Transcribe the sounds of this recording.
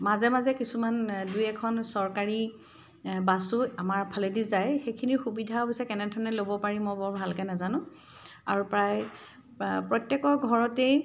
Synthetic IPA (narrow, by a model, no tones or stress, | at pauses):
mazɛmazɛkisumandujɛkʰɔnsɔɹkaɹi | basuamaɹpʰaledizajxejkʰiniɹxubidʱaɔbisɛkɛnɛdʱɔɹɔnɛlobɔpaɹimɔjbɔɹbʱalkɛnazanʊ̃ | a̰ɹupɹaj | pɹɔjtjɛkɔɹɡʱɔɹɔtej